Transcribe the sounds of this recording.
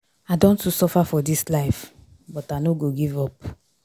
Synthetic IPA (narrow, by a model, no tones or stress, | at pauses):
adõntusɔfafɔdislaɪf | bɔtanoɡoɡivɔp̚